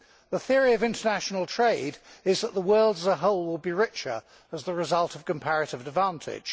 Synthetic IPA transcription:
ðəθɪəɹiəvɪ̃ntənæʃnəlˠtʰɹ̥eɪdɪzðəʔ̪ðəwɜːlˠdəzəɦoʊlˠwɪlˠbiɹɪt͡ʃə̰˞ | əzðəɹɪzʌlˠtʰəv̥kə̃mpʰæɹɨtɪvədvɑ̃ˑntʰɪ̰d̥ʒ̥

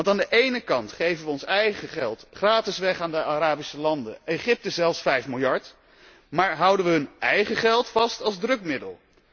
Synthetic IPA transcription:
ɑntaːndəʔejnəkɑntχejvənʋəɔnsɛjχəχɛlˠtχraːtɪsʋɛχaːndəaɾaːbisəlɑndə̰ejχɪp̚təzɛlˠfsfɛjfmɪlˠjɑɹt | maːɹɦʌwdənʋəɦɵnɛjχəχɛlˠtfɑstɑlˠzdrɵkmɪdə̰lˠ

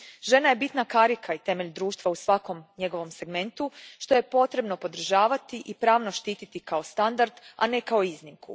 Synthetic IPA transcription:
ʒe̞naje̞bit̪nakaɾikʰait̪e̞me̞ʎd̪ɾuːʃt̪ʋausʋako̞mɲe̞ɡo̞ʋo̞mse̞ɡme̞nt̪uʃt̪o̞je̞po̞t̪ɾe̞bno̞po̞d̪r̩ʒaːʋat̪iʔipɾaːʋno̞ʃt̪iːt̪it̪ikao̞st̪and̪aɾd̪ane̞kaoiznimkṵ

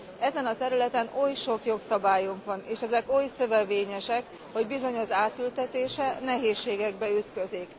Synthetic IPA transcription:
ɛzɛnɒt̪ɛɾylɛt̪ɛnojʃo̞kjo̞ksɒbaːjuŋkʋɒneːʃɛzɛkojsø̞vɛveːɲɛʃɛk | ho̞ɟbizo̞ɲo̞ʒaːt̪ylt̪ɛt̪eːʃɛnɛɦeːʃːeːɡɛɡbɛyt̪kø̞zik

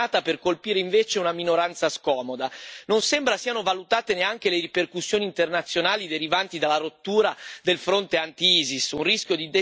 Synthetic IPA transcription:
aːt̪aperkolpiːɾeiɱveːt͡ʃeunaminoɾant̪saskɔːmod̪anonsembɾasiːanovalut̪aːt̪eneaŋk̟eleɾiperkusːjoːniːnt̪ernat̪sːjonaːlid̪eɾivant̪id̪alːaɾot̪ːuːɾad̪elfɾont̪eant̪iiːzisunrisk̟jod̪id̪e

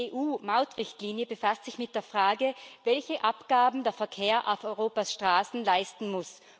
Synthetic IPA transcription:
eːʔuːmaʊtʁɪçtliːnjəbəfastz̥ɪçmɪt̚d̥eːɐfʁ̥aːɡəvɛlçəʔapɡ̥aːbm̩deːɐfɛɐkʰeːɐʔaʊfɔʏʁoːpasʃtʁ̥aːsn̩laɪstn̩mʊs

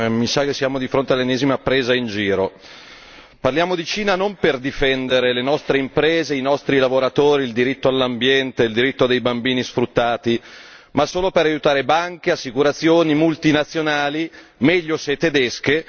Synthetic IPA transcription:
misak̟esːjaːmod̪ifɾont̪ealːenːɛːzimapːɾeːzaind͡ʒiːɾo | parljaːmod̪it͡ʃiːnanomperd̪ifɛnd̪eɾelenɔst̪ɾeimpɾeːzeinɔst̪ɾilavoɾat̪oːɾiːld̪iɾit̪ːoalːambjɛnt̪eild̪iɾit̪ːod̪ejbambiːnisfɾut̪ːaːt̪i | masːoːlopeɾajut̪aːɾebaŋk̟easːikuɾat̪sːjoːnimult̪inat̪sːjonaːli | mɛʎːoset̪ːed̪ɛsk̟e

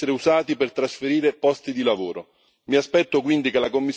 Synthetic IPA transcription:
eɾeuzaːt̪ipert̪ɾasfeɾiːɾepɔst̪id̪ilavoːɾo | miaspɛt̪ːok̬wind̪ikelakomːis

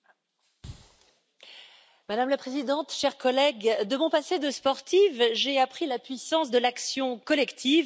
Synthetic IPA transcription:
mad̪amlapχezid̪ɑ̃t̪ʃɛʁkɔlɛɡd̪əmɔ̃pased̪əspɔʁt̪ivʒeapχilapɥisɑ̃sd̪əlaksjɔ̃kɔlɛkt̪ʰiv

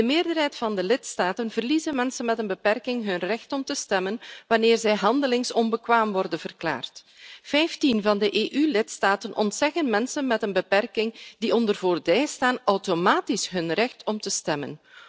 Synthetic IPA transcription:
dəmɪːrdərɦɛjtfɑndəlɪtstaːtənvərlizənmɛnsənmɛtənbəpɛrkɪŋɦɵnrɛxtɔmtəstɛmənʋɑneːrzɛjɦɑndəlɪŋsɔnbəkʋaːmʋɔrdənv̥ərkla̰ːrt | fɛjftinvɑndəʔeːʔylɪtstaːtənʔɔntsɛɣənmɛnsənmɛtənbəpɛrkɪŋdiʔɔndərvoːrbɛjstaːnɔwtomaːtisɦɵnrɛxtɔmtəstɛmə̰n

